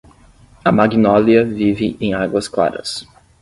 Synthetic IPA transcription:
ɐmaɡinɔliɐvivɪʔẽj̃aɡwɐskla̰ɾɐ̰s

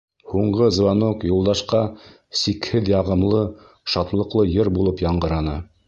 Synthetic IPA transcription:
huɴɢɤzvɑnokjulˠd̪ɑʃqɑ | sikhɘðjɑʁɤ̆mlˠɤ | ʃɑt̪lˠɤ̆qlˠɤjɤɾbulˠɤpjɑɴɢɤ̆ɾɑnɤ

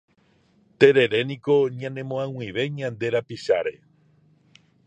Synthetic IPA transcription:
t̪e̞ɾe̞ɾe̞niko̞ɲãnẽmõãw̃ĩβe̞ɲãnd̪e̞ɾapiʃaɾe̞

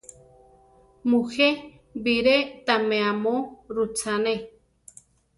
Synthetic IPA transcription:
muxe | biɾet̪amẽamoɾut͡sane

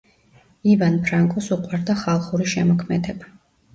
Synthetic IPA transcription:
ivanpʰɾaŋkʼɔsuqʼwaɾd̪aχalˠχuɾiʃɛmɔkʰmɛd̪ɛba

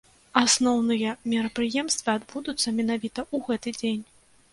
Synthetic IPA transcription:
asnɔwnɨjɐmʲɛɾɐpɾɨjɛmst̪vɨad̪bud̪ut̪sːɐmʲɛnavʲit̪ɐʔuɣɛt̪ɨd͡zʲenʲ

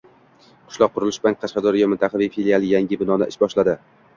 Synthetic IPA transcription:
qʰʊ̥ʃlɒq̚ʰːʊɾɪlɪʃblaŋqʰɑʃqɑd̪ɒɾɪjɒmɪnt̪ʰaχɑvijfilialˠɪjaŋʲɪbɪnɒnɪ̰ʔɪʃbɒʃlad̪ɪ

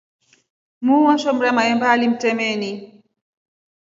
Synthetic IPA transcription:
muwaʃɔmɾɛmaɛmbalim̩tɛmɛni

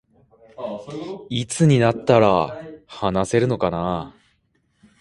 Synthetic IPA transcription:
it͡sɨɲ̟inat̪ːaɾahanase̞ɾɯ̟no̞kana

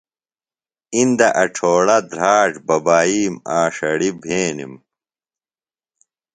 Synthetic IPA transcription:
ind̪ɐʔɐʈ͡ʂʰoːɽɐd̪ɾaːʈ͡ʂbɐbaːiːmaːʂɐɽibʱeːnḭm

